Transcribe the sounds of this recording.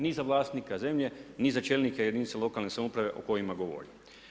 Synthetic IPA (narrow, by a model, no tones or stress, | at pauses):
nizaʋlˠaːst̪nikaze̞mʎe̞nizat͡ʃeːlnikejed̪iːnt̪elo̞kalne̞samoupɾaʋe̞ʔoko̞jimaɡo̞ʋo̰ɾim